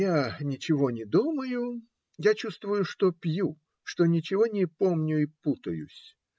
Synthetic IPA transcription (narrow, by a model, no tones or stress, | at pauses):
janʲɪt͡ɕɪvo̞nʲɪd̪uməjʊ | jat͡ɕust̪vʊjʊʂt̪opʲju | ʂt̪o̞nʲɪt͡ɕɪvo̞nʲɪpomnʲʊɪput̪ə̰jʊ̰sʲ